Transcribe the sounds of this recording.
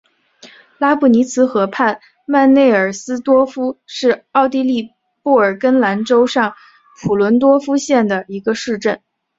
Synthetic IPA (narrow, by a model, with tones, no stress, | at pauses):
la˥pʰu˨˩ni˧˥t͡sʰɹ̩˧˥xɤ˧˥pʰa˥˧n | ma˥˧nne˥˩ɪə˞˨˩sɹ̩˥t̪wɔ˥fu˥ʂɻ̩˥˧ɑ˥˧ʊt̪i˥˧li˥˧ | pu˥˩ə˞˨˩kə˥nla˧˥nʈ͡ʂo˥ʊʂɑ˥˩ŋ | pʰu˨˩lwə˧˥nt̪̬wɔ˥fu˥ɕjɛ˥˩nd̪ə˩i˧˥ɡə˧ʂɻ̩˥˧ʈ͡ʂə˥˩n